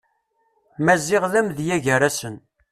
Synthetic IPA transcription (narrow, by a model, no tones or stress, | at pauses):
mæzːɪʁləmðjæʝəɾæsən